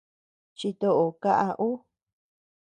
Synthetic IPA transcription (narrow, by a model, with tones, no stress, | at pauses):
t͡ʃi˧t̪o˧ʔo˨ka˦ʔa˧ʔu˦